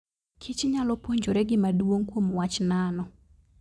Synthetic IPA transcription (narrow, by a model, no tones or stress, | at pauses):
kʰit͡ʃɲalɔpwoɲd͡ʒoɾɛɡɪmadwoŋkwomwat͡ʃnanɔ